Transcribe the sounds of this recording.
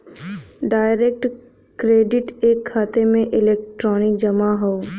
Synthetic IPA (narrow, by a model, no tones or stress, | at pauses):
ɖaːɪɾek̚ʈ | kɾeːɖɪʈeːkʰːaːt̪emẽʔɪleːk̚ʈɾɔːnɪkd͡ʒɐmaɦoː